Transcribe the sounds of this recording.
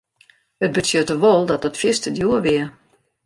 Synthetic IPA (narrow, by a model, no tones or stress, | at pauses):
ət̚bətjøtəʋolˠdɔt̚dɔtfɪstədjuəʋɪə